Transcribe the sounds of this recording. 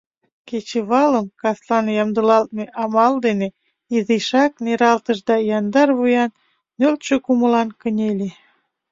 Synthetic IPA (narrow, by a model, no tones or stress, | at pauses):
ket͡ɕeβɑləmkɑslɑnjɑmd̪əlɑlt̪̚meʔɑmɑld̪ene | iziʃɑk̚neɾɑlt̪əʃd̪ɑjɑnd̪ɑrβujɑnː | ølt͡ɕøkumə̆lɑnkənʲelʲe